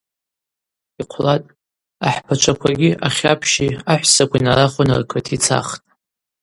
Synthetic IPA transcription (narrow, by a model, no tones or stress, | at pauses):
iqʷʰlatʼ | aħpʰat͡ʃʷʰakʷʰaɡʲɪʔaχʲapʰʃiaħʷsakʷʰinaɾaχʷonɨ̰rkʰətʰit͡sʰa̰χtʼ